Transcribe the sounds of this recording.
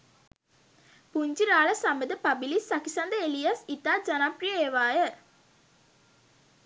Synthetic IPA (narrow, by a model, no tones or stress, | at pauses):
puɲd͡ʒiɾaːɭəsambəd̪əpabilisːakisand̪əelijasit̪aːd͡ʒanaprijəeʋaːjə